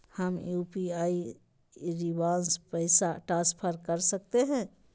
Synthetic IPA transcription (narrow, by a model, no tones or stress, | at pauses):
həmjuːpiaːi | ɾiʋaːnspəɪsaʈaːspʰəɾkəɾsəkt̪eɦɛ̃ː